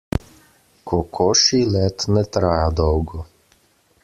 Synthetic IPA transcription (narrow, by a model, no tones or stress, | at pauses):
kʰɔkʰɔʃiːlʲɛt̪nɛt̪ɾajad̪ɔwɡɔ